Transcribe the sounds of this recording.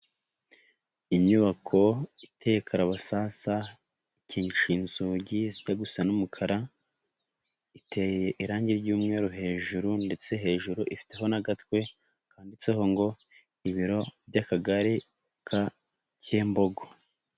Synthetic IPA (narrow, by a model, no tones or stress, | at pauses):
iɲuβakʰo̞itʰe̞jekʰaɾaβasasa | iciːɲʃiːnzuɟiziɟaɡusanumukʰaɾa | itʰeːjjeʔiɾaːɲɟiɾɟuːmŋe̞ːɾuɦe̞ːʒuɾunde̞t͡se̞ɦe̞ːʒuɾuʔifi̥te̞ɦo̞naɡatwe̞ | kʰaːndit͡seɦo̞ŋɡo̞ | iβiɾo̞bɟakaɡaɾi | kʰa | ceːmbo̞ɡo